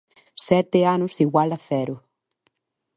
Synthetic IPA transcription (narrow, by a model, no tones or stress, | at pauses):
sɛt̪eanʊsiɣwalɐθɛɾʊ